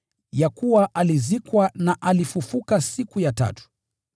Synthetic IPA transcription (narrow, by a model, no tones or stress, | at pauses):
jakuwaʔalizikwanaʔalifufukasikujata̰tu̥